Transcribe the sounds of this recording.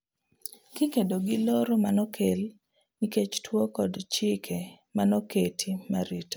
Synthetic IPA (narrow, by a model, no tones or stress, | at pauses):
kɪkedoɡɪloɾomanɔkʰel | niket͡ʃtwokɔdt͡ʃɪkʰe | manɔketʰimaɾito̥